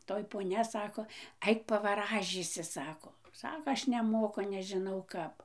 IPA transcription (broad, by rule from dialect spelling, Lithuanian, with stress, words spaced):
ˈtoːj poːˈnʲɛ ˈsɑːkoː ˈɐɪk pɐʋɐˈrɑːʒʲiːsʲɪ ˈsɑːkoː ˈsɑːkoː ˈɐʃ nʲɛˈmoːkʊ nʲɛʒʲɪˈnɐʊ ˈkɐp